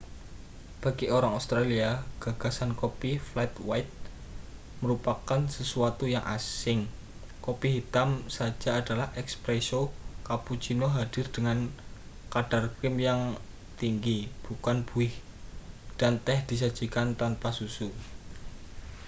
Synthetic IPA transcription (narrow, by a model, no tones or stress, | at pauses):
b̥a̤ɡ̥iʔoɾaŋaust̪ɾaliaɡ̥a̤ɡ̥a̤sankopiflɛt̪wajt̪̚ | məɾupakansəsuat̪ujaŋʔa̰sɪŋ | kopiɦit̪amsḁʒ̥aːd̥a̤lahʔɛkspɾɛsokaput͡ʃinoɦad̥ɪ̤rd̥əŋankaɖ̥a̤rkɾɪmjaŋ | t̪iŋɡib̥ukanb̥ṳɪh | d̥ant̪ɛhd̪̥i̤sad̥d͡ʒ̥i̤kant̪anpasusu